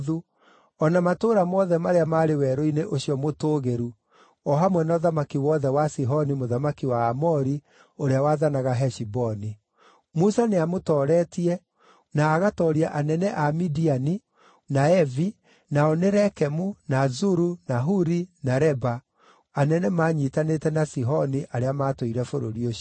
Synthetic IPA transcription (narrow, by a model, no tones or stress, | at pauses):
ðu | ɔnamatoɾamɔðɛmaɾeamaɾewɛɾoineʔoɕiɔmotoːɣeɾu | ɔɦamwɛnɔðamakiwɔðɛwasiɦɔnimoðamakiwaːmɔɾi | oɾeawaðanaɣaɦɛʃibɔni | musaneamotɔːɾɛtiɛ | naːɣatɔːɾiaʔanɛnɛʔamidiani | naɛvi | naɔneɾɛkɛmunazuɾunaɦuɾinaɾɛba | anɛnɛmaːɲitanetɛnasiɦɔniʔaɾeamaːtoiɾɛfoɾoɾio